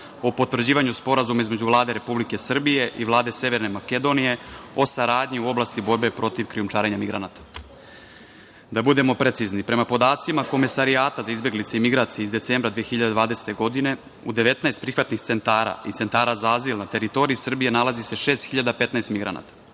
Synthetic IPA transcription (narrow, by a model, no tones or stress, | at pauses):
opo̞t̪vr̩d͡ʑiːʋaɲuspo̞ɾazumaizme̞d͡ʑuvlˠaːd̪e̞ɾe̞publike̞sr̩bije̞ʔiʋlˠaːd̪e̞se̞ʋe̞ɾne̞make̞d̪o̞nije̞o̞saɾaːd̪ɲiuo̞blast̪ibo̞ɾbe̞pɾo̞t̪iʋkɾijumt͡ʃaːɾeɲamiɡɾanaːt̪ḁ | d̪abud̪e̞mo̞pɾet̪siznipɾe̞mapo̞d̪aːt̪simako̞mesaɾiaːt̪azaizbe̞ɡlit̪seimiɡɾaːt̪sijeizd̪e̞t̪seːmbɾad̪ʋijexçiʎad̪ed̪ʋaːd̪eset̪e̞ɡo̞d̪ine̞ | ṵd̪eʋe̞t̪naest̪̚pɾixʋat̪nixt̪se̞nt̪aːɾa̰it̪se̞nt̪aːɾaːzaaziːlˠnat̪e̞ɾit̪o̞ɾiisr̩bije̞nalazise̞ʃe̞ːst̪xiʎad̪ape̞t̪naest̪miɡɾa̰na̰ːt̪ḁ